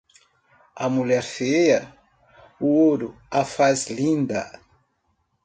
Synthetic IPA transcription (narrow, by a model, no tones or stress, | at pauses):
ɐmuʎɛɾfejɐ | uoɾʊ | afazlĩnd̪ɐ̰